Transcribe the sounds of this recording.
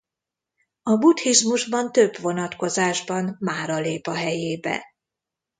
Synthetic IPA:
ɒbut̪hiʒmuʒbɒnt̪øbʋo̞nɒt̪ko̞zaːʒbɒnmaːɾɒleːpɒɦɛjeːbɛ̰

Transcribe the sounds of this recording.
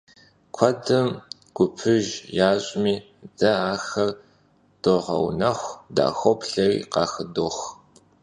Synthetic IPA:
kʷʰɔdɨm | ɡ̥ʷʊpʰɨʒjaːɕʼmiː | dɐaːxɐr | d̥oʁɐ̰wnɐxʷda̰ːxʷɔpɬɐjqɑːxɨdoːx

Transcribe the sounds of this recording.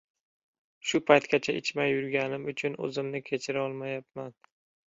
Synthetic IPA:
ʃʊpʰajt̪kʲat͡ʃʰaʔɪ̰t͡ʃʰmajʊɾɡʲanɪmʊt͡ʃʰʊnɵ̰zɪmnɪkʲʰe̞t͡ʃʰɪɾɒlˠmajap̚man

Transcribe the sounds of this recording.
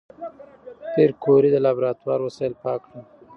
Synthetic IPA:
t̪eɾkʰoɾid̪əlɑbɾɑt̪wɑɾwasɑjlpɑkɽu

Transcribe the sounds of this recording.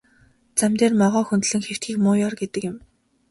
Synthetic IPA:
t͡samt̪eːrmɔʁɔːxunt̪̆ɮɘ̆ŋxew̥t̪xiːxmʊːjɔrɡet̪ɘ̆kjɪ̆m

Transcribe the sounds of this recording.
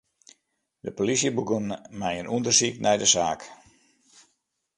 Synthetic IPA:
dəpolisjəbukənmɛjənʔundərsiknɛjdəsaːk

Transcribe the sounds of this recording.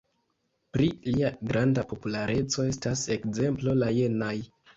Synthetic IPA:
pɾiliaɡɾʔandapo̞pulaɾe̞t͡so̞e̞stase̞kze̞mplo̞laje̞naj

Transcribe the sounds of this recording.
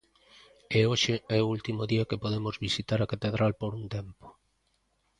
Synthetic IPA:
eoʃɪɛoult̪imoðiɐkepoðemozβisit̪aɾɐkat̪eðɾalpoɾunt̪ɛmpo̥

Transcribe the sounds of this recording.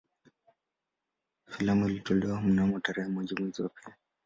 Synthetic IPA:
filamilitɔlɛwamunamɔtaɾɛhɛmwɛd͡ʒimiziwapia

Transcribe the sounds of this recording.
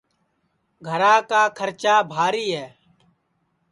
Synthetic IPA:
ɡʱəɾãːkaːkʰəɾt͡ʃaːbʱaːɾiːɦɛː

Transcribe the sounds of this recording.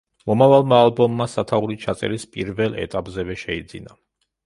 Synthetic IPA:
mɔmavalˠmaːlˠbɔmːasat̪ʰauɾit͡ʃʰat̪sʼɛ̰ɾispʼiɾvɛlˠɛ̰t̪ʼapʼzɛvɛʃɛid̪zina

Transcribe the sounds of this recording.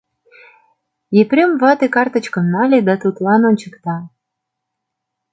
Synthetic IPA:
epɾʲømvɑt̪ekɑrt̪ə̆t͡ɕkə̆mnɑlʲed̪ɑt̪ut̪lɑnonʲt͡ɕə̆kt̪ɑ

